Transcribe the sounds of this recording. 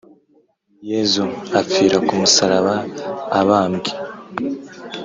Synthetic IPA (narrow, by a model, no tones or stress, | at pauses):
jezuafiːɾakumusaɾaβaːβaːmɡi̥